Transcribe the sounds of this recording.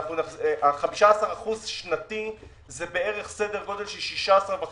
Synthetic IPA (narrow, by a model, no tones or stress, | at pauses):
χnuneʔaχamiʃaasaʁaχuzʃnat̪i | zebe̞eʁeχse̞deʁɡo̞d̪elʃelʃiʃaasaʁbe